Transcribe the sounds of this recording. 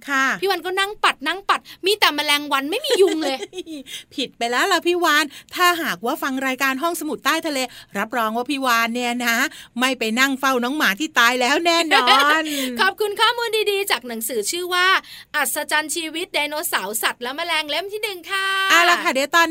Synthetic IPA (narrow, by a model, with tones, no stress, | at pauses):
kʰa˥˩iː˦˥˩waː˧nkɔ˥˩na˥˩ŋpa˨˩t̪̚na˥˩ŋpa˨˩t̪̚miː˧t̪ɛː˨˩ma˧lɛː˧ŋwa˧˥nma˥˩jmiː˧ju˧ŋle˧jpʰi˨˩t̪̚pa˧jlɛː˦˥wla˧˩pʰiː˥˩waː˧nt̪ʰaː˥˩ɦaː˨˩k̚waː˥˩fa˧ŋɾaː˧jkaː˧nɦɔ˥˩ŋsa˧mu˨˩t̪ːaː˥˩jt̪ʰa˧leː˧ɾa˦˥p̚ɾɔː˧ŋwaː˥˩pʰiː˥˩waː˧nːi˥˩ɐna˦˥ma˥˩jpa˧jna˥˩ŋfa˥˩wnɔː˨˦˥ŋmaː˩˦t̪ʰiː˥˩t̪aː˧jlɛː˦˥wnɛː˥˩n˧ɔː˧nkʰɔː˨˩p̚kʰu˧nkʰaː˥˩muː˧ndiː˧diː˧t͡ɕaː˨˩k̚na˩˦ŋsɯː˨˩˦t͡ɕʰɯː˥˩waː˥˩ʔa˨˩t̪̚sa˧t͡ɕaː˧nt͡ɕʰiː˧wi˦˥t̪̚daː˧noː˧sa˩˦wsa˨˩t̪̚lɛ˦˥ma˧lɛː˧ŋle˦˥˩mt̪ʰiː˥˩nɯ˨˩ŋkʰa˥˩ʔaː˧˩la˧kʰa˥˩di˧t̪ɔː˧n